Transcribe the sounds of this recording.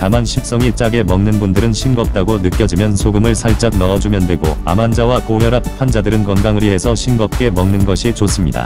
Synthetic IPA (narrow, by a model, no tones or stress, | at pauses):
tamanɕʰip̚s͈ʌŋit͡ɕ͈aɡe̞mʌŋnɯnbundɯɾɯnɕʰimɡʌp̚t͈aɡonɯk͈jʌd͡ʑimjʌnsʰoɡɯmɯɭsʰaɭt͡ɕ͈ak̚nʌʌd͡ʑumjʌndwe̞ɡoa̰mand͡ʑawakojʌɾap̚pʰwand͡ʑadɯɾɯnkʌnɡaŋɯɾiɦe̞sʰʌɕʰimɡʌp̚k͈e̞mʌŋnɯnɡʌɕʰit͡ɕos͈ɯmɲida̰